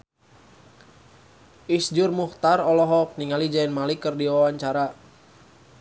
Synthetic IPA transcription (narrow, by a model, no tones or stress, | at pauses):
ʔisd͡ʒʊrmuht̪arɔlɔɦɔk̚niŋalid͡ʒaɛnmalikərdiwawaɲt͡ʃaɾa